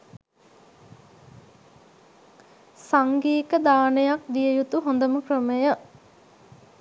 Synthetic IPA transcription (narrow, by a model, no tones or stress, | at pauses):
saŋɡiːkəd̪aːnejakd̪ijəjut̪uɦond̪əməkrəməjə